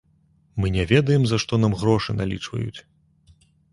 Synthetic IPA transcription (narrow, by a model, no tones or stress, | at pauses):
mɨnʲɛvʲɛd̪ɐjɛmzaʂt̪ɔnamɣɾɔʂɨnalʲḭt͡ʂvɐ̰jṵt͡sʲ